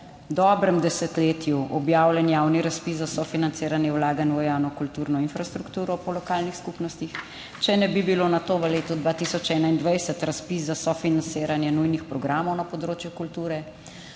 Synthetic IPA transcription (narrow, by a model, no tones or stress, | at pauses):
d̪ɔbɾɛmd̪ɛsɛt̪leːt̪juʔɔbjaːwlʲɛnjaːwniɾaspiszasɔfinant̪seːɾanjɛwlaːɡanʋɔjaːnɔkult̪uːɾnɔinfɾast̪ɾukt̪uːɾɔpɔlɔkaːlnixskupnɔst̪ix | t͡ʃɛnɛbibilonat̪oːʋəleːt̪ud̪ʋat̪isɔt͡ʃɛːnaind̪ʋajsɛt̪ɾaspiszasɔfinanseːɾanjɛnujnixpɾɔɡɾaːmɔwnapɔd̪ɾoːt͡ʃjukult̪uːɾɛ